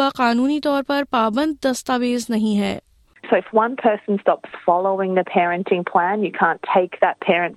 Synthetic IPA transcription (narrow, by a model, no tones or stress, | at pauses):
aqaːnuːnit̪ɔːɾpɐɾpaːbə̃nd̪̚ːɐst̪aːʋeːznɐɦĩɦɛ̰ː | soʊɨfwʌ̃npʰɜ˞sn̩stɑpsfɑlˠoʊɪ̃ŋðɨpʰɛɹɨ̃ntʰɪ̃ŋpʰl̥æ̃njɨkʰæ̃ntʰeɪk̚ðət̚pʰɛɹɨ̃n